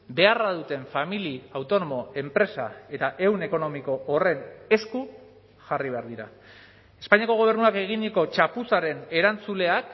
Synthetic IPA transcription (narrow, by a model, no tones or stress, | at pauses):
be̞arað̞ut̪e̞ɱfamiliawt̪o̞no̞mo̞e̞mpɾe̞sa̰e̞t̪aʔe̞wne̞ko̞no̞miko̞ʔːre̞ne̞sku | ʝariβeaɾðiɾa̰ | e̞spaɲiako̞ɣ̞o̞β̞e̞ɾnuake̞ɣ̞iniko̞t͡ʃapusaɾe̞ne̞ɾant͡sule̞ak